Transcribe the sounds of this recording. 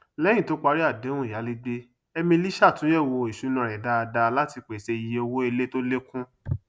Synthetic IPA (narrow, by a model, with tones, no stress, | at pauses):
lɛ̃˦ĩ˦˨to˨˦k͡pa˧ɾi˦a˦˨dẽ˨˦ũ˦˨a˨˦li˦ɡ͡be˦ | ɛ˧mĩ˧li˦ʃa˦˨tũ˨˦jɛ˦˨wo˧˨i˨ʃu˨˦nã˨ɾ̃ɛ˨da˧˦a˧da˧la˦ti˧k͡pe˨se˧i˨je˦o˧wo˦e˧le˦to˦le˦kũ˦